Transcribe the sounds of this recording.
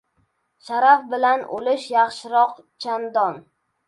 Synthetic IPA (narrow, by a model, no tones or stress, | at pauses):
ʃaɾafbɪlanʔo̰lɪʃjɑχʃɪɾɒq | t͡ʃʰand̪ɒn